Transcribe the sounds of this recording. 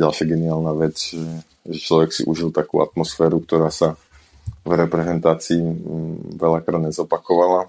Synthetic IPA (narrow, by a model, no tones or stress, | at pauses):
ɟalʃɪaɡɛniaːlnaːʋɛd͡zʒɛ | ʒɛt͡ʃlɔʋɛksḭʔuʒilt̪akṵːa̰t̪mɔsfɛːɾukt̪ɔɾaːsa | vɾɛpɾɛzɛnt̪aːt͡siː | ʋɛʎakɾaːd̪ɲɛzɔpakɔʋala